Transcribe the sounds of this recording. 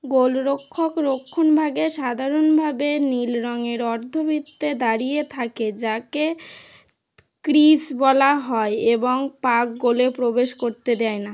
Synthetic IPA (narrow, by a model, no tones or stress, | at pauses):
ɡolɾokʰːokɾokʰːonbʱaɡeʃad̪ʱaɾonbʱabenilɾɔŋeɾɔɾd̪ʱobʱit̪ːed̪aɾijet̪ʰaked͡ʑake | kɾisbɔlaɦɔeeboŋpak̚ɡolepɾobeʃkoɾt̪ed̪ɛena